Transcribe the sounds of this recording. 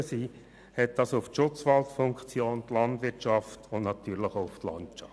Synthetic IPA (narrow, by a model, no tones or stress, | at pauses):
əsiː | hɛt̚d̥ɑsʊftʃʊt͡sʋɑltfʊŋkt͡sjoːnt̪lɑnd̪ʋɪt͡ʃɑftʰʊnnɑt̪yːɾləχoʊʊft̪lɑ̰nt͡ʃɑ